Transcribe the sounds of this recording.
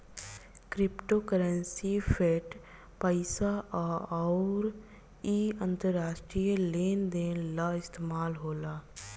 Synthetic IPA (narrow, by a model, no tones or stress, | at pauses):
kɾɪpʈoːkəɾənsipʰeːʈ | pəɪsaʔɔʊɾ | iːə̃nt̪əɾːaːʃʈɾijəleːnd̪eːnlaɪst̪eːmaːlɦoːlaː